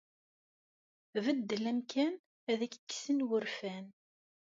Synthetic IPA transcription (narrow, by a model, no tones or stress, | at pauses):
vəd̪ːəlæmkʰæn | æðækkːsənwəɾfæn